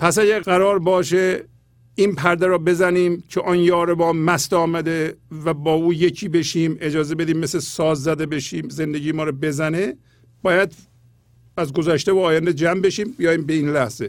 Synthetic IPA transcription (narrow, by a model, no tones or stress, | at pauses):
pʰæsæɟæɾɡæɾɒːɾbɒːʃe | inpʰæɾd̪eɾɔːbe̞zæniːmcʰeʔɒnjɒːɾebɒːnmæst̪ɒːmæd̪evæbɒːuːjecʰiːbe̞ʃiːme̞d͡ʒɒːzebe̞d̪iːmːeslesɒːzːæd̪ebe̞ʃiːmzend̪eɟiːmɒːɾɔbe̞zæne | b̥ɒːjæd̪ | æzɡozæʃt̪evoɒːjænd̪ed͡ʒæmbe̞ʃiːmbijɒːjiːmbeiːnlæhz̥e